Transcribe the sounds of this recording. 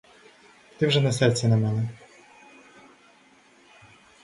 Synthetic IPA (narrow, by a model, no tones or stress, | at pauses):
t̪ɨmwʐɛnasɛrt̪sʲɛnɐmɛnɛ